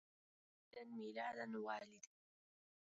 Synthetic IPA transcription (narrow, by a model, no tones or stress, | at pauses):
danmiːlaːd̪anwaːlɪd̪